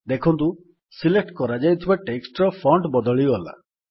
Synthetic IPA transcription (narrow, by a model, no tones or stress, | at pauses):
d̪ekʰɔnt̪̬u | silek̚ʈkɔɾad͡ʒajt̪ʰibaʈeksʈɾɔpʰɔɳɖbɔd̪ɔɭiɡɔla̰